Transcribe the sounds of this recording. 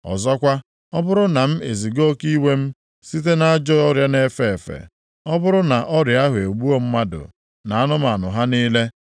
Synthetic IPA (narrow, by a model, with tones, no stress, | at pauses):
ɔ̰˨zɔ˦kʷa˦ | ɔ˦bʊ˦ɾʊ˦na˨m̩˦e˨zi˨ɡo˦ki˦we˦m̩˦ | si˦t̬e˦na˦a˦d͡ʒɔ˦ɔ˦ɾja˦ne˦fe˨e˨fḛ˨ | ɔ˦bʊ˦ɾʊ˦na˨ʔɔ˦ɾja˦ɦʊ˨e˨ɡ͡bu˦o˦m̩˦ma˦dʊ̰˨ | na˨a˦nʊ˦m˨a˨nʊ˨ɦa˦niː˦le˦